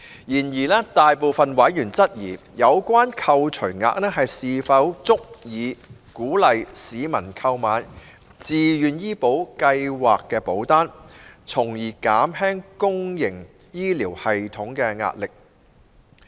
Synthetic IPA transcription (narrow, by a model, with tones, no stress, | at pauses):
jiː˨˩njiː˨˩lɛː˥t̪aː˨jpoː˨wfɐ˨nwɐ˨˥jjyː˨˩nt͡sɐ˥t̚jiː˨˩ | jɐ˨˧wkʷaː˥nkʰɐ˧wt͡ʃʰɵ˨˩ɥŋa̰ː˧k̚nɛː˥ɦɐ˨jsiː˨fɐ˨˥wt͡sʊ˥k̚jiː˨˧kuː˨˥lɐ˨jsiː˨mɐ˨˩nkʰɐ˧wmaː˨˧˥n | t͡siː˨jyː˨njiː˥po˨˥wkɐ˧jwaː˨kːɛː˧po˨˥wt̪aː˥nt͡sʰʊ˨˩ŋjiː˨˩kaː˨˥mɦɛː˥ŋkʊ˥ŋjɪ˨˩ŋ | jiː˥liː˨˩whɐ˨jt̪ʰʊ˨˥ŋkɛː˧ŋa̰ː˧t̚lɪ˨k̚